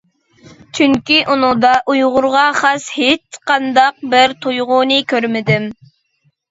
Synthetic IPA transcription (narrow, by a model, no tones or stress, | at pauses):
t͡ʃʰyŋkʲiʔunʊ̃ŋd̪ɑʔujʁʊɾʁɑχɑshet͡ʃqɑnd̪ɑq̚bɪɾt̪ʰojʁʊnɨkʲʰøɾmɪd̪ɪm